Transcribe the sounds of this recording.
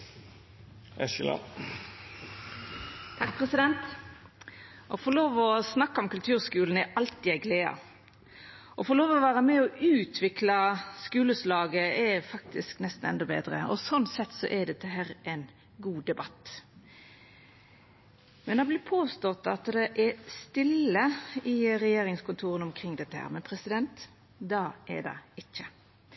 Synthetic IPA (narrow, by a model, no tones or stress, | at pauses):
ɛsɪ̰lɑ̰ | t̪ʰɑkpʰʁɛsɪd̪ɛnt̪ | ʔɔfɔloːʋɔsnɑkːɑɔmkʉlt̪ʰʉːʁskʉːln̩ɛʔɑlt̪iːæɪɡleːɑ̰ | ʔɔfɔʁloːʋɔʋæːʁəmɛɔʔʉːt̪ʰʋɪklɑskʉːləslɑːɡəɛfɑk̚t̪ʰɪsknɛst̪n̩ɛ̰nd̪ɔbḛːd̪ɾə̰ɔ̰sɔnsɛt̪ːsɔ̰ʔɛɖ̪ɛt̪ːəɦæːɾʔɛn | ɡuːd̪ɛbɑt̪ː | mɛnd̪ɑbliːpʰoːst̪ɔt̪ɑ̰t̪d̪ɛʔɛst̪ɪlːəɪʁɛjeːɾɪŋskʊnt̪ʰuːʁənɔmkʰʁɪŋːd̪ɛt̪ːəhæ̰ːɾmɛnpʰɾɛsɪd̪ɛnt̪ | d̪ɑʔɛ̰d̪ɑ̰ɪçːə